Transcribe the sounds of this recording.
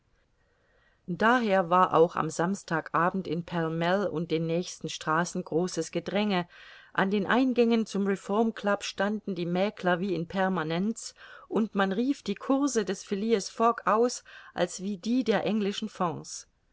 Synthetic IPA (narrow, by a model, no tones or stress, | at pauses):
d̥aːɦeːɐvaːɐʔa̰ʊxa̰mzamstʰaːkʔaːbm̩tɪnpʰɛlmɛlʊ̰nt̚d̥eːnːɛːçstn̩ʃtʁ̥aːsn̩ɡʁoːsəsɡ̥ədʁɛŋəʔandeːnʔaɪnɡɛŋənt͡sʊmʁefɔɐmkʰl̥apʃtandn̩diːmɛːkʰlɐviːɪnpʰɛɐmanɛnt͡sʔʊntmanʁiːfd̥iːkʰʊɐzədɛsfɪliːəsfɔkaʊsʔa̰lsv̥iːdiːdeːɐʔɛŋlɪʃn̩fɔ̃s